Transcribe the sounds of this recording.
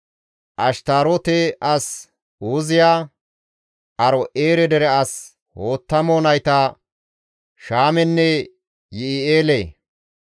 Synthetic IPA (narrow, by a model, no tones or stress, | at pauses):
ʔɐʃt̪aːɾɔt̪ɛʔɐs | uːzɪjaː | ʔɐɾɔʔeːɾɛd̪ɛɾɛɐs | ho̞ːt̪ːɐmoːnɐjt̪ɐ | ʃaːmɛnːɛ | jɪɪeːleː